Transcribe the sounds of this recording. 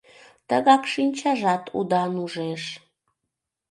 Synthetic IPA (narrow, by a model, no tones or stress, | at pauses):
t̪əɣɑkʃinʲt͡ɕɑʒɑt̪ʰṵd̪ɑnuʒeʃ